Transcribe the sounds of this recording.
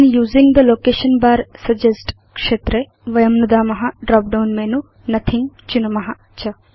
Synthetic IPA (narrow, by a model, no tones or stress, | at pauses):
njuːzĩŋd̪ɐloːkeːʃɐnbaːɾsɐd͡ʒesʈ | kʂeːt̪ɾe | ʋɐjɐmnud̪aːmɐɦɐɖɾaːp̚ɖɐwnmeːnu | nɐt̪ʰiŋt͡ʃunɐmɐɦɐɐt͡ʃʰɐ